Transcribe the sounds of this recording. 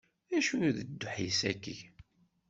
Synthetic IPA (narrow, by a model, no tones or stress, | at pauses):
ðæʃujðəd̪ːʊħjəsækːə̰ʝ